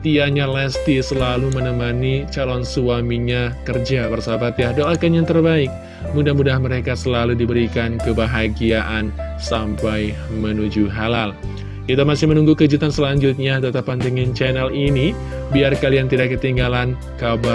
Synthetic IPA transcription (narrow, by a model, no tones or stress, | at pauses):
t̪iaɲalɛst̪isəlalumənəmanit͡ʃalɔnsuamiɲakərd͡ʒabərsabap̪jadoakanɲat̪ərbaɪk̚ | mudahmudahməɾekasəlaludibəɾikankəbaɦaɡiaʔan | sampaj | mənud͡ʒuɦalal | kit̪amasɪhmənuŋɡukəd͡ʒut̪ansəlaɲd͡ʒʊt̪̚ɲat̪ət̪apant̪iŋɪnt͡ʃɛnɛlini | biarkaliant̪idakːət̪iŋɡalan | kaba